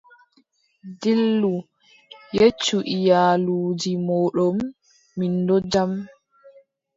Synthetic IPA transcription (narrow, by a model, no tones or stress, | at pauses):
dilːu | jet͡ʃːuʔijaːluːd͡ʒimɔːɗɔmː | indɔd͡ʒam